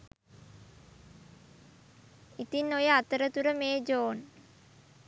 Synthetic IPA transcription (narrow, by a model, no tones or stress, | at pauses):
it̪inːojəat̪əɾət̪uɾəmeːd͡ʒoːn